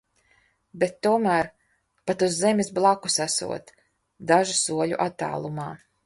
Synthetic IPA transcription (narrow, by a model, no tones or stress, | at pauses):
bet̪ːuɔmæːɾ | pat̪uzːɛmʲisblˠaku̥sasṵɔt̪ | d̪aʒusuɔʎṵʔat̪ːa̰ːlˠumaː